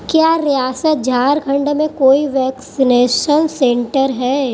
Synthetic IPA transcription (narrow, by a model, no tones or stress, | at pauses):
kjaːɾijaːsət̪̚d͡ʒʱaːɾɡʱɐ̃ɳɖmẽkoːiʋɛːksineːʃənsẽːɳʈəɾɦɛː